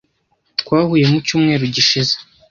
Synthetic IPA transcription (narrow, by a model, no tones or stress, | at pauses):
tkwaːhuje̞mucuːmŋe̞ːɾuɟiʃize̥